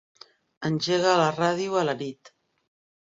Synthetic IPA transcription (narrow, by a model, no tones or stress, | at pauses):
ənʲʒeɣaːləraðiualənit̪